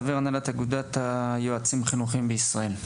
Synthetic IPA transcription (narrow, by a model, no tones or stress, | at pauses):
aveʁanalat̪aɡud̪at̪ajoat͡simaχinuχimbeisʁae̞l